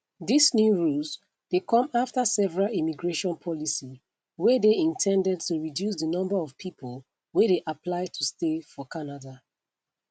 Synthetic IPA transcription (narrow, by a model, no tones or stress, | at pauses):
ðisnjuɹuls | d̥ekʰɔ̃maftasɛvəɹalimiɡɹeʃɔ̃npʰɔlisi | wɛdeĩntʰɛ̃ndɛd̚tuɹidjus̬ðənɔ̃mbaɔv̥pʰipʰol | wɛdeʔapʰlaɪtʰustefɔkʰanada